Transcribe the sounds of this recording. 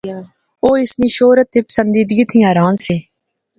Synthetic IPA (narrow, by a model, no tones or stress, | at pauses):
oːɪsnĩːʃoːɾət̪ːeːpə̥sənd̪iːd̪ɡiːt̪ʰĩːaːɾaːnseː